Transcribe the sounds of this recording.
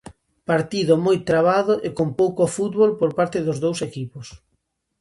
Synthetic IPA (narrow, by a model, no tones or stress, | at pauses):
paɾt̪iðʊmojt̪ɾaβ̞aðʊʔekompowkofut̪βolpoɾpaɾt̪ɪðʊzðowsekipʊs